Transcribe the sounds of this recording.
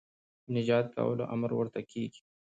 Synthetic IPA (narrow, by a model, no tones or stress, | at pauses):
nɪd͡ʒɑːt̪̚ka̰wə̰loʔamɾwəɾt̪akʰeːɡi̥